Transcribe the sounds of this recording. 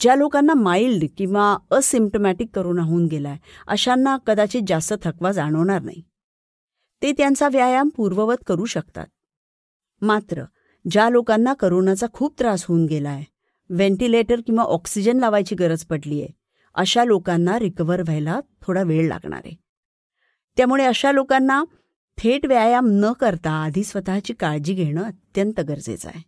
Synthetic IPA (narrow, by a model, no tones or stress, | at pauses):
d͡ʑjalokanːamailɖkĩw̃ʋaəsimp̚ʈomæʈikːəɾoːnaɦuuːnɡelaeə̰ɕanːakəd̪at͡ɕed͡zast̪ət̪ʰəkʋad͡zaɽ̃əʋɳ̃aɾna̰ɦi | et̪jãnt͡saʋjajampuɾʋəʋət̪kəɾuːɕəkt̪a̰t̪̚ | mat̪ɾə̰ | d͡ʑjalokanːakəɾonat͡sakʰuːp̚t̪ɾasɦounɡelaje | ʋeɳʈileʈəɾkĩw̃ʋaʔɔksid͡ʑənlaʋajt͡ɕiːɡəɾəd͡zpəɽliːjḛ | ə̰ɕalokanːaɾikəʋəɾʋʱəjlat̪ʰoɽaʋeɭla̰ɡɳa̰ɾḛ | t̪jamuɭeəɕalokanːa | t̪ʰeʈʋjajamnəkəɾt̪aːd̪ʱiːsʋət̪at͡ɕiːkaɾd͡ʑiːɡʱeɽ̃əːət̪jənt̪əɡəɾd͡zḛt͡sa̰je